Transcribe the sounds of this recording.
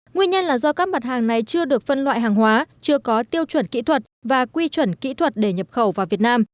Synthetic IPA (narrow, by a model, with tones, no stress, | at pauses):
ŋwi˧ənɲə˧nlaː˨˩zɔ˧kaː˦˥k̚ma˨˩t̚haː˨˩ŋna˨˩jt͡ɕɨ˧əɗɨ˨˩ək̚fə˧nlwa̰ː˧˨jɦaː˨˩ŋɦwaː˨˦t͡ɕɨ˧əkɔ˨˦t̪i˧əwt͡ɕwə˧˩nkḭ˧˥t̪ʰwə˨˩t̚vaː˨˩kwi˧t͡ɕwə˧˩nkḭ˧˥t̪ʰwə˨˩t̚ɗe˧˩ɲə˨˩p̚xə˧˩wvaː˨˩vi˨˩ət̚naː˧m